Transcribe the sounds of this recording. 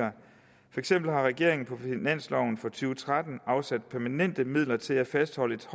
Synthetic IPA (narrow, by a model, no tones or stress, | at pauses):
ɐ | fɒ̽e̝ɡ̥sem̰b̥l̩ɦɑ̈ʁɛɡ̥e̝ɐe̝ŋn̩pʰɒ̽finæn̰slɒʊn̩fɒ̽t͡sʰyːʊət͡sʰʁad̥n̩ɑ̈ʊsæd̥̚pʰæɐmænen̰d̥əmið̞̰ˠlɐt͡sʰe̝læfæsd̥hɒ̽ləe̝d̥h